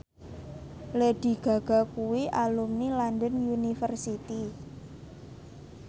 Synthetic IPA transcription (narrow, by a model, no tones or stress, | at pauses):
leɖ̥i̤ɡ̥a̤ɡ̥a̤kuwiʔalumnilandənjunifərsit̪i